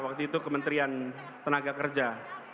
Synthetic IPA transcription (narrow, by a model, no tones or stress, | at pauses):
wak̚t̪uit̪ukəmənt̪ɾian | t̪ənaɡakərd͡ʒa